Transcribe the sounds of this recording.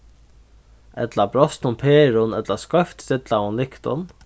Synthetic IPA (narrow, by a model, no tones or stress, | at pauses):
ɛ̰t̪labɾɔst̪nʊnpʰeːɾʊnɛt̪laskɔft̪sɪt̪laʊnlɪkt̪ʊ̰n